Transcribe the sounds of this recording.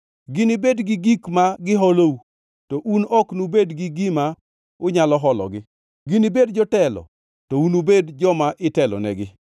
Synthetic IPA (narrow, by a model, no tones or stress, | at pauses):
ɡinibedɡɪɡikmaɡɪɦɔlou | tɔʔunɔknubedɡɪɡima | ʊɲalɔɦɔlɔ̰ɡɪ | ɡinibedd͡ʒɔtɛlɔ̰ | tɔunubedd͡ʒɔmaʔɪtɛlɔ̰nɛ̰ɡɪ